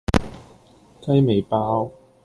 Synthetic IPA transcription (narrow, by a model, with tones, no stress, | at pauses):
kɐ˥jme˨˧jpaː˥w